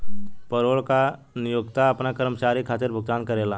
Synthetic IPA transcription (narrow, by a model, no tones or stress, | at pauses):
pəɾoːɭka | nɪjʊɡt̪aɐpnakəɾmət͡ʃaːɾikʰaːt̪ɪɾbʱʊɡ̚t̪aːnkɐɾeːlaː